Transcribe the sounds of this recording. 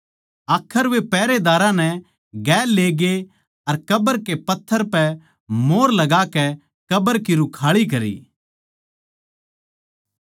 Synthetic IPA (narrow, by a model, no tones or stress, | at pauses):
aːkʰːəɾʋepɛːɾed̪aːɾãnɛ | ɡɛːlːeːɡe | ɐɾkɐbəɾkepɐt̪ʰːəɾpɛ | moːɾlɐɡaːkɛ | kɐbəɾkiɾʊkʰaːɭik̬ɐɾḭː